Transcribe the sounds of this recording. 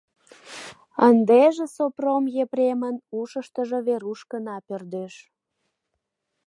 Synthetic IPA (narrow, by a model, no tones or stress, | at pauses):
ənd̪eʒĕsopromjepɾemənuʃəʃt̪əʒəβeɾuʃkənɑpørd̪øʃ